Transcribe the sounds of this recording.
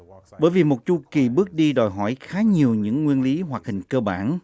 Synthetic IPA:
ɓəː˧˦jvi˨˩mo˨˩t̚t͡ɕu˧ki˨˩ɓɨ˦˥ək̚ɗi˧ɗɔ˨˩jɦɔ̰˧˩jxaː˨˦ɲi˨˩əwɲɨ̰˧˥ŋːwi˧ənli˨˦ɦwa˨˩k̚hï˨˩ŋ̟kəː˧ɓa̰ː˧˩n

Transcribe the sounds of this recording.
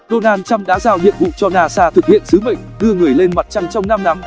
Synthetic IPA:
ɗo˧naː˧nt͡ɕa˧mɗa̰ː˨˥zaː˧wnḭ˧˨ənvṵ˧˨t͡ɕɔ˧naː˧saː˧t̪ʰɨ˨˩k̚hḭ˧˨ənsɨ˨˦mə̰˨jŋɗɨ˧əŋɨ˨˩əjle˧nma˨˩t̚t͡ɕa˧ŋt͡ɕɔ˧wŋ͡mna˧mna˨˦m

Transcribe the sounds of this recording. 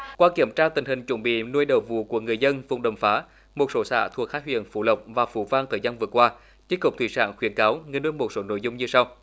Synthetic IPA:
kwaː˧ki˧˩əmt͡ɕaː˧t̪ï˨˩ŋ̟hï˨˩ŋ̟t͡ɕwə̰˧˩nɓḭ˧˨nu˧əjɗə̰˧˩vṵ˧˨ku˧˩əŋɨ˨˩əjzə˧nvʊ̰˨˧˩wŋ͡mɗə˨˩mfaː˨˦ | mo˨˩t̚so˨˦sa̰ː˧˩t̪ʰu˨˩ək̚haː˦˥t̚hwḭ˧˨ənfṵ˧˩lə˨˩wk͡p̚vaː˨˩fṵ˧˩vaː˧ŋt̪ʰəː˨˩zaː˧nvɨ˨˩əkwaː˧ | t͡ɕi˦˥t̚kʊ˨˩k͡p̚t̪ʰi˧˩sa̰ː˧˨nxwi˨˦ənkaː˨˦wŋɨ˨˩nu˧jmo˨˩t̚so˨˦no̰˧˨jzʊ˧wŋ͡mɲɨ˧sa˧w

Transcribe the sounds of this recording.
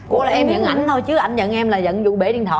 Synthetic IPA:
kṵ˧˥laː˨˩ʔɛ˧mɲə̰˧˨nʔa˨˧˩jŋ̟t̪ʰo˧jt͡ɕɨ˨˦əʔa˧˩jŋ̟zə̰˧˨nʔɛ˧mlaː˨˩zə̰˧˨nzʊ̰˧˨ɓe˧˩˦ɗi˧nt̪ʰə̰˧˨

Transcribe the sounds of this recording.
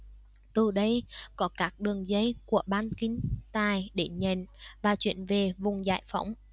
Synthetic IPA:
t̪ɨ˨˩ɗə˧jkɔ˨˦kaː˦˥k̚ɗɨ˨˩əŋzə˧˦jku˧˩əɓaː˧nkï˨˦ŋ̟t̪aː˨˩jɗe˧˩ɲə̰˧˨nvaː˨˩t͡ɕwḭ˧˨ənve˨˩vʊ˨˩ŋ͡mza̰ː˧˨˩jfə̰˧˦wŋ͡m

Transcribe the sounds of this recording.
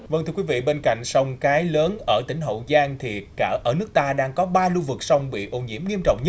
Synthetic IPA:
və˧nt̪ʰɨ˧kwi˨˦vḭ˧˨ɓe˧nka̰˧˨jŋ̟sɔ˧wŋ͡mkaː˨˦jləː˨˦nʔəː˧˩t̪ï˧˩ŋ̟ɦo̰˧˨wzaː˧ŋt̪ʰi˨˩kaː˧˩ʔəː˧˩nɨ˦˥ək̚t̪aː˧ɗaː˧ŋkɔ˨˦ɓaː˧lu˧vɨ˨˩k̚sɔ˧wŋ͡mɓḭ˧˨ʔo˧˩nɲḭ˧˩əmŋi˧əmt͡ɕɔ̰˧˨wŋ͡mɲə˦˥

